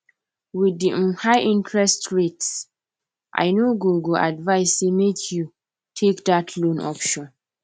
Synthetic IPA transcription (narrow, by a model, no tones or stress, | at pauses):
widihaɪʔĩntʰɹɛstɹets | ʔa̰ɪnoɡoɡoʔa̰dvaɪsːemekʰju | tʰekdatʰlõnʔɔ̰pʃɔ̃n